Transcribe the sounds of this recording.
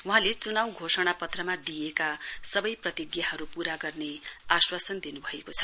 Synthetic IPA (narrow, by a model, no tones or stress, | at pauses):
wuɦãlet͡sunawɡʱosʌɽ̃apʌt̪rʌmad̪ijekasʌbʌjprʌt̪iɡjaɦʌɾupuɾaɡʌrneaswasʌnd̪inubʱʌekot͡sʰʌ̥